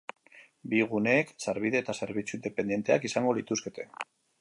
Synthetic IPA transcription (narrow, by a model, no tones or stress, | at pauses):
biɣ̞une̞ːkseɾβ̞iðe̞ːt̪ase̞ɾβit͡suind̪e̞pe̞nd̪je̞nt̪e̞akisaŋɡo̞lit̪uske̞t̪e̞